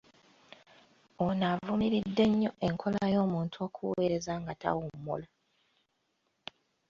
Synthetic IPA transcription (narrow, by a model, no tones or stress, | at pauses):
onavumiɾidːe̞ɲːo̞ʔe̞ŋkʰo̞lajo̞ːmuːntʰuokʰuwe̞ːɾe̞zaŋɡata̰womːo̰la